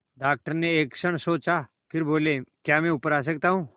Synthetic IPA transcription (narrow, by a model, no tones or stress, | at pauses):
ɖaːk̚ʈəɾneeːksəɳ̃soːt͡ʃa | pʰɪɾboːlekjaːmɛ̃ʊpəɾaːs̬ək̚t̪aːɦũː